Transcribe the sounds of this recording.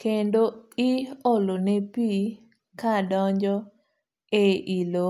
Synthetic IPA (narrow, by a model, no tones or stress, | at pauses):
kendoɪolonepi | kadɔɲd͡ʒɔ | eʔilo